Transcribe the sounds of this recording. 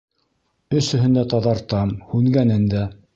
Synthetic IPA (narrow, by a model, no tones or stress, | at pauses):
ɵ̆sɵ̆ɦɘ̆nd̪æt̪ɑðɑɾt̪ɑmhʉŋɡænɘnd̪æ